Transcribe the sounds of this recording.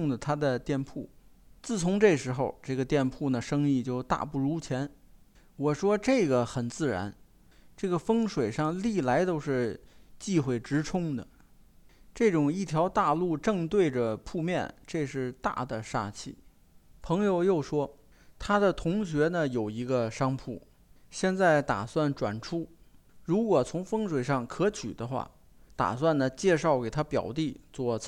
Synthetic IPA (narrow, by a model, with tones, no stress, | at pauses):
ŋd̪ə˩t̪ʰa˥d̪ə˨t̪jɛ˥˩npʰu˥˩t͡sɹ̩˥˩t͡sʰʊ˧˥ŋʈ͡ʂe˥˩ʂɻ̩˧˥xo˧ʊʈ͡ʂɤ˥˩ɡə˩t̪jɛ˥˧npʰu˥˩nə˩ʂɤ˥ŋi˥˧t͡ɕjo˥˧ʊt̪a̰˥˧pu˥˩ɻu˧˥t͡ɕʰjɛ˧˥n | wɔ˨˩ʂwɔ˥ʈ͡ʂe˥˩ɪɡə˩xə˨˩nt͡sɹ̩˥˩ɻa̰˧˥n | ʈ͡ʂɤ˥˩ɡə˩fɤ˥ŋʂwe˨˩ɪʂɑ˥˧ŋli˥˩la˧˥ɪt̪o˥ʊʂɻ̩˥˧t͡ɕi˥˧xwe˥˩ɪʈ͡ʂɻ̩˧˥ʈ͡ʂʰʊ˥ŋd̪ə˨ | ʈ͡ʂɤ˥˩ʈ͡ʂʊ˨˩ŋi˥˩t̪ʰjɑ˧˥ʊt̪a˥˧lu˥˧ʈ͡ʂɤ˥˧ŋt̪we˥˩ɪʈ͡ʂə˩pʰu˥˧mjɛ˥˧nʈ͡ʂe˥˧ʂɻ̩˥˧t̪a̰˥˩d̪ə˩ʂa̰˥t͡ɕʰḭ˥˩ | pʰɤ˧˥ŋjo˧ʊjo˥˩ʊʂwɔ˥ | t̪ʰa˥d̪ə˨t̪ʰʊ˧˥ŋɕɥɛ˧˥nə˧jo˨˩ʊi˧˥ɡə˧ʂɑ˥ŋpʰu˥˩ | ɕjɛ˥˧nt͡sa˥˩ɪt̪a̰˨˩swa˥˩nʈ͡ʂwa̰˨˩nʈ͡ʂʰu˥ɻu˧˥kwɔ˨˩t͡sʰʊ˧˥ŋfɤ˥ŋʂwe˨˩ɪʂɑ˥˩ŋkʰɤ˧˥t͡ɕʰy̰˨˩d̪ə˦xwa̰˥˩ | t̪a̰˨˩swa˥˩nnə˩t͡ɕjɛ˥˧ʂɑ˥˩ʊke˨˩ɪt̪ʰa˥pjɑ˨˩ʊt̪i˥˧t͡swɔ˥˩